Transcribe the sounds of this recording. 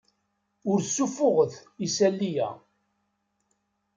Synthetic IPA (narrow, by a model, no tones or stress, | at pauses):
ʊɾsːufʊʁəθisælːijæ̰